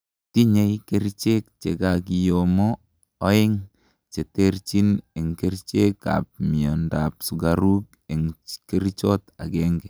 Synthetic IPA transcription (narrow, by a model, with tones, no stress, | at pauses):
ti˦ɲe˦ike˦ɾt͡ʃe˦k̚t͡ʃe˨ɡa˨kijomoː˦ | ɪ˦ŋ | t͡ʃe˨te˦ɾt͡ʃi˦ne˨ŋke˦ɾt͡ʃe˦kːa̰˨p̚mɪ˨ɔ˨nda˨psu˨ɡaɾu˦k̚ | e˨ŋke˦ɾt͡ʃɔ˦ta̰˨ɡɛ˦ŋɡɛ˨